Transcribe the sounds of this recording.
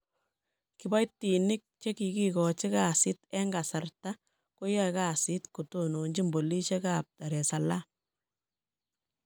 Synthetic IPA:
kɪ˨ba˦jtːi˨nɪ˦k̚t͡ʃe˦ki˨ki˦kɔ˨t͡ʃɪ˦ka˨sɪ˦tɛ˦ŋɡa˨sa˨rta˦ | ko˦jɛ˦ka˦˨sɪ˦tku˨to˦no˨ɲd͡ʒi˦mbo˨li˦t͡ʃe˦ka˨p̚ta˨ɾɛ˨sa˨la˦

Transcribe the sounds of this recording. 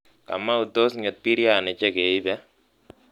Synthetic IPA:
ka̰˨ma˦u˨t̪o˦s̬ŋɪ˨t̪̚pi˦ɾja˦˨nɛ˨t͡ʃɛ˦ke˨i˦bɛ˦

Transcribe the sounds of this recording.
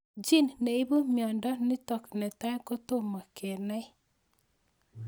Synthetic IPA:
d͡ʒi˦nnɛ˨i˦bu˦mjɔ˨ndɔ˦nɪ˦tɔ˨knɛ˨ta˦ko˦to˦˨ma˨ke˨na˦j

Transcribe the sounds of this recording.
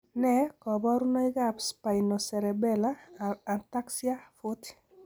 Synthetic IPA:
nɛ˦kɔ˨bɔ˦ɾu˦nɔ˦i˦ɡa˦pspa˨i˨no˨sɛ˨ɾɛ˨bɛ˦la˦a˨nta˦ksia˦fo˦ti̥

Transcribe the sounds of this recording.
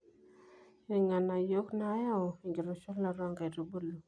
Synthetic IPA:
e˨ŋa˨na˨jo˦kna˦ja˦˨i˨ŋɡi˨ɾo˨t͡ʃo˦lna˨ɾa˦ŋɡa˨ɾo˨bo˦lu˨

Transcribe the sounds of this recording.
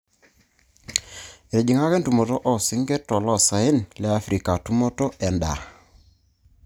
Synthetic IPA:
e˨ɾe˨d͡ʒi˨ŋa˦kɛ˦ntu˨mo˨to˦ʔɔ˦si˦ŋɡe˦tɔ˨lɔ˦˨sa˨ɪ˦nlɛ˦a˦fɾi˨ka˨tu˦mo˦to˦ʔɛ˨nda̰˨

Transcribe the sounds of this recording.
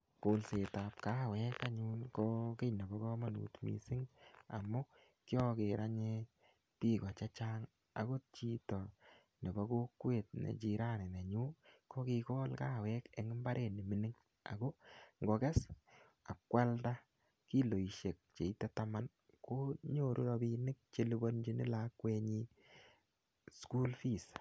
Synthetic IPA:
ko˨lse˨ta˨p̚ka˦˨wɛ˦ka˦ɲu˦nkɔ˦ke˦jna˨bɔ˨˦kɔ˦ma˦nṵ˨tmḭ˨sɪ˦ŋa̰˨mʊ˦ | kjɔ˦ke˨ɾa˦ɲe | ti˦kɔ˨t͡ʃa˦t͡ʃaːŋ | a̰˨ko˦t͡ʃi˦tɔ˨ | nɛ˨bɔ˦ko˦kwe˨t̚nḛ˨t͡ʃi˨ɾa˦ne˨ne˨ɲu˦ko˦ki˧kɔ˦lkaː˦˨wɛ˦ke˨ŋɪ˦mba˦ɾʔe˨ni˨mi˦nɪ˦ŋ | a̰˨ko˦ŋɡo˨kɛ˦s | a˨kwa˦lta˦ | ki˦lo˨i˨ʃe˨k̚t͡ʃe˨i˦te˦ta˦ma˦n | ko˦ɲo˨ɾʔu˦ɾɔbi˦nɪ˦k̚t͡ʃe˦li˦bo˦nd͡ʒi˦nɪ̰˦la˦kwe˦ɲi˦ | sku˦lfi˨s

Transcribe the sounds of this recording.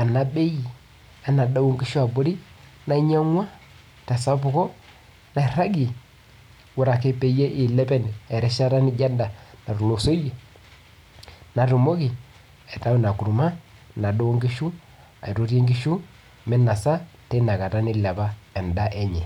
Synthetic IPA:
a˨na˦be˦ji˨ | a˨na˨da˦wo˦ŋɡi˦ʃu˦a˨bo˦ɾi˦ | na˦ɲa˦ŋwa˦ | ta˨sa˦pʊ˨ko˦ | na˨ɾa˦ɡi˨ | wʊ˨˦ɾa˨ke˦pe˨je˦ʔɪ˨lɛ˦pɛ˦n˨ɛ˨ɾɛ˦ʃa˦ɾa˦nɪ˦d͡ʒa˦nda˨na˨ɾu˨lo˨so˦je˨ | na˨ɾu˨mo˦ki˨ | ɛ˨ta˦wna˨ku˨ɾu˨ma˦na˨do˦wo˦ŋɡi˦ʃu˦ | a̰˨i˨ɾo˦ɾje˦ŋɡi˦ʃu˦ | mɛ˦nːa˨sa˦te˦na˨ka˨ta˦nɪ˦lɛ˨ba˦ɛ˨nda˦ʔɛ˦ɲɛ˨

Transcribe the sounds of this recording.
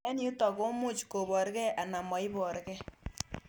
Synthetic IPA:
ɛ˦ni˦tɔ˨ko˦mu˦t͡ʃko˨bɔ˨ɾkɛ˦ʔa˨na˨mɔ˨i˦bɔ˨ɾkɛ˦

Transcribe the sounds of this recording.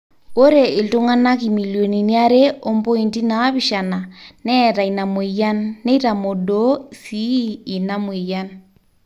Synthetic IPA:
ko˦ɾe˨e˨lto˦ŋa˦na˦ki˨mi˨ljo˨ni˨ni˦a˦ɾe˦o˦mpɔ˦i˨nti˦na˨˦βi˦˨ʃa˨na˨nɛ˦ɾa˨i˨na˨me˨ja˦nːe˦i˦ɾa˨mo˨do˦siː˦˨na˦mwe˨ja˦n

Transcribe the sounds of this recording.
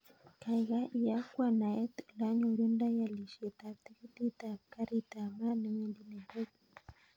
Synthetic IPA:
ka˨ɣa˦ʔi˨ja˦kwa˨na˨ɛ˦t̪la˦ɲo˨ɾu˦nda˦ja˨li˨ʃe˨t̪a˨t̪i˦ki˦t̪i˦ta˨ka˦ɾi˦t̪a˨ma˦ne˦me˦ndi˦ne˨to˦k

